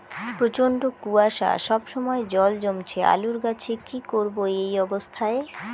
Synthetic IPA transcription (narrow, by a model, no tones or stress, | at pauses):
pɾot͡ɕoɳɖokuaʃa̰ʃɔbʃɔmɔed͡ʑɔld͡ʑomt͡ɕʰea̰luɾɡat͡ɕʰekikoɾboejɔbost̪ʰae